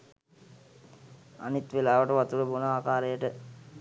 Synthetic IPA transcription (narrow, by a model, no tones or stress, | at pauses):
a̰nit̪ʋelaːʋəʈəʋat̪uɾəbunəaːkaːɾejəʈə